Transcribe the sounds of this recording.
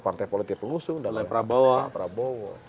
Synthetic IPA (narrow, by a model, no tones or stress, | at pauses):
part̪ajpolit̪ɪk̚pəŋusʊŋdalapɾabawapəɾabowa